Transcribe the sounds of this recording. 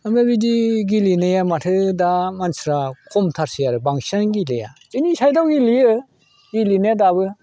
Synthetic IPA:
amebidiɡilinɯjamatʰɯdamansɾakʰɔmtʰaɾsijaɾɯbaŋsanɡilɯja̰zɯnisajdawɡiliɯ | ɡilinajadaβɯ

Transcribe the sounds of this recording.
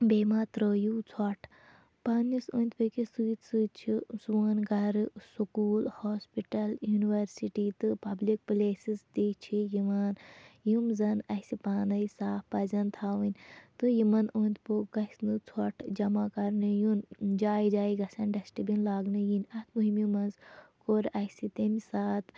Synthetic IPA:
beːmaːt̪ɾəːjut͡sʰwɔʈʰ | panisoːnʲt̪pɨkisɨːsɨt͡ʃʰisuʋɐːnɡɐɾsukuːlhoːspiʈɐljuːniʋɐɾsiʈit̪ɨpɐblik̚pleːsist̪it͡ʃʰijiʋaːnjumzɐnɐsipaːnɐjsaːfpɐzɐnt̪ʰaːʋɨnʲt̪ɨjimɐnoːnʲt̪ʰpoɡɐsnɨt͡sʰoʈʰd͡ʒɐmakɐɾnɨjund͡ʒaːjid͡ʒaːjiɡɐsɐnɖɐsʈibinlaːɡnɨjinʲɐt̪ʰmuɦimjumɐnzkoɾɐsit̪emisaːt̪

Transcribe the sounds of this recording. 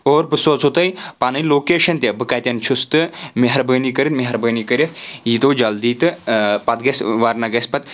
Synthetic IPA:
oːɾbɨsoːt͡sʰot̪ɐjpaːnɨjloːkeːʃɐnt̪ʲɐbɨkɐːt̪ʲɐnt͡ʃʰust̪ɨmeɦɐɾbəːnikɐɾʲit̪meɦɐɾbəːnikɐɾʲit̪ʰjit̪oːd͡ʒɐld̪iːt̪ɨpɐt̪̚ɡɐsʋaɾnɐɡɐspɐt̪

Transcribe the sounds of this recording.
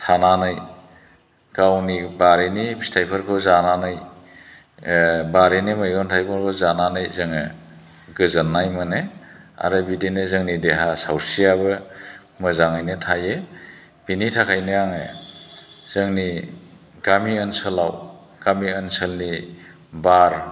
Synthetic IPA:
tʰananɯj | ɡ̥awnibaɾenipʰi̥stʰajpʰɯɾkʰɔwzananɯj | baɾenɯmajɔntʰajpʰɔɾkʰɔwzananɯjzɯŋɯ | ɡɯzanːajmɯne | a̰ɾɯbidinɯzɯŋnideɦasawsiabɯ | mɯzaŋajnɯtʰaje | b̥initʰakʰajnɯaŋe | z̥ɯŋni | ɡ̥amiənsəlaw | ɡ̥amiənsəlni | baɾ

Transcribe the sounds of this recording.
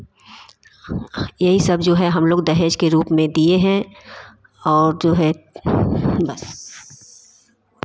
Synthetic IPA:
jɐɦisɐb̚d͡ʒoːɦɛɦɐmloːɡd̪ɐɦeːʃkeɾuːpmẽd̪ieɦɛ̃ | ɔːɾd͡ʒoːɦɛ | bɐs

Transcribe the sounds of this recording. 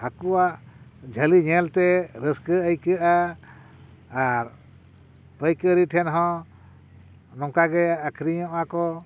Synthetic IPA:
həkuwaʔd͡ʒʱəliɲɛlt̪ɛɾəskəəjkəʔa | ɾ | pəjkəɾiʈʰɛnɦɔ̃ | nɔ̃ŋkaɡɛəkʰɾiɲɔ̃ʔakɔ

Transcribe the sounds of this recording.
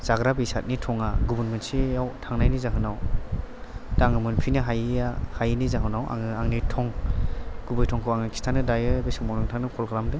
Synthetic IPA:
z̥aɡɾabisat̚nitʰɔŋaɡubunmɯnsijawtʰaŋnajnizaɦɯnaw | daŋɯmɯnpʰinɯɦajahajnizaɦɯnawʔa̰ŋɯaŋnitʰɔŋ | ɡ̥ubɯjtʰɔŋkʰɯwaŋɯkʰi̥stʰanɯdajɯbesɯŋmɔnɔŋtʰaŋnɯkʰɔlɡɾamdɯ

